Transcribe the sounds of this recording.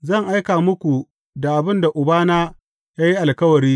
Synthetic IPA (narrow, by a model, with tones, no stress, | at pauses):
zɐ˦˨ŋʔa˦jkaː˨mʊ˦kʷu˨ | da˨ʔa˨bɪ˦˨nda˨ʔʊ˨baː˦naː˦ | jaː˦ji˦ʔa˨lkɐ˦wɐ˨ɾiː˦